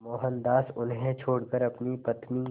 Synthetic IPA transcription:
mɔːɦənd̪aːsʊnɦẽt͡ʃʰoːɽkəɾɐpnipɐt̪mĩ

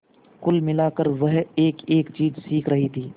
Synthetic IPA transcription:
kʊlmɪlaːkəɾʋɐɦeːkeːkt͡ʃiːzsiːkʰɾɐɦit̪ʰiː

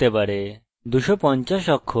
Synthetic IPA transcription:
t̪ebaɾe | d̪uʃɔpɔɲt͡ʃaʃɔkʰːo

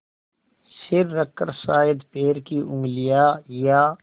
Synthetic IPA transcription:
sɪɾːəkːəɾsaːɪd̪peːɾkiʔʊ̃ŋɡlijaːjaː

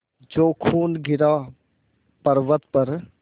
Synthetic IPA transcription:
d͡ʒoːkʰuːnɡʱɪɾaː | pəɾʋət̪pəɾ

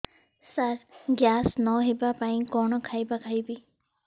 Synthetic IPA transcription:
saɾɡjaːsnɔɦebapaĩkɔɳ̃ɔkʰajbakʰajbi

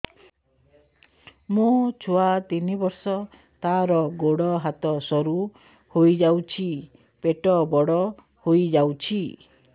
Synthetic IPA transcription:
mũt͡ʃʰoat̪inibɔɾsɔ | t̪aɾɔɡoɽɔɦat̪ɔsɔɾu | hojd͡ʒawt͡ʃʰi | peʈɔbɔɽɔ | hojd͡ʒawt͡ʃʰi

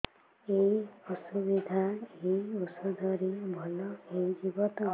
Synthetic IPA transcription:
ejʌsubid̪ʱaejusɔd̪ʱʌɾibʱʌlʌejd͡ʒibʌt̪

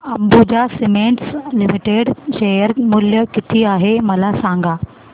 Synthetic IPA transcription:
əmbud͡ʑasimẽɳʈslimiʈeɽɕejəɾmuljəkit̪ʰiːaɦeməlasãŋɡa

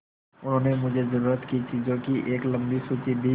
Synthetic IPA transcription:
ʊnɦõːnemʊd͡ʒʱezɐɾuːɾət̪kit͡ʃiːzõkiʔeːklɐ̃mbisuːt͡ʃid̪iː

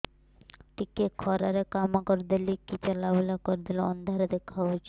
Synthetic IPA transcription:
ʈikekʰɔɾaɾekamakɔɾd̪ilikit͡ʃalabelakɔɾd̪iloɔ̰nd̪ʱaɾed̪ekʰːaɦot͡ʃʰ

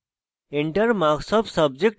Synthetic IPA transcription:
eɳʈəɾmaɡsʌbsʌb̚d͡ʒek̚ʈ

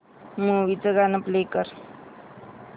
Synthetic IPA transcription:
muːʋit͡səɡanəplekəɾ

